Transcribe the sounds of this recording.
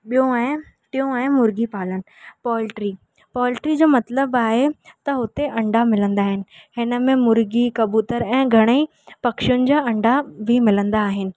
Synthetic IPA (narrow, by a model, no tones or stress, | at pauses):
ɓijõaɪ̃ | t̪iõɛ̃ɪ̃mʊɾɡipaːlənɪ̆pɔːlʈɾi | pɔːlʈɾid͡ʑoːmɐt̪ləbaːɦet̪ɐɦʊt̪eʔɐ̃ɳɖʱamɪlə̃nd̪aːɦɪnɪ̆ɦɪnə̆mẽmʊɾɡikɐbuːt̪əɾɛ̃ːɡʱɐɽ̃ei | pɐkʃjʊnɪ̆d͡ʑaːɐ̃ɳɖʱabʱimɪlə̃nd̪aːɦɪnɪ̆